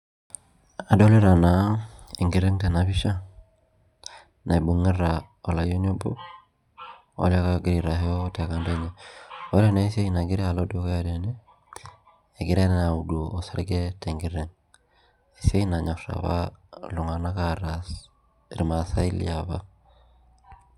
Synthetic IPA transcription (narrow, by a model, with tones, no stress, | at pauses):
a˨do˦le˦ɾa˨na˨˦e˨ŋɡi˨ɾe˦ŋte˨na˨bi˦ʃa˦ | na˨bu˨ŋe˦ɾa˨ | o˨la˨jo˦ɲo˦bo̰˦ | o̰˦la˦ka˦ɡi˨ɾi˨ɾa˨ɦe˦o˦te˨ka˨nde˦ɲe˨o˦le˦na˨i˦se˦i˦na˨ɡi˦ɾe˦a˨lo˦do˦ke˦ja˦˨de˨ne˦˨ | ɡi˦ɾe˦n˦na˨u˨du˨oː˨sa˨ɾɡe˦te˨ŋɡi˦ɾe˦ŋ | i˨se˦i˦na˨ɲɔ˨sa̰˨βa̰˦lu˨ŋa˨na˦ka˦ɾa˨ | ɾi˨ma˨sa˦i˦lḭ˨a˨βa˦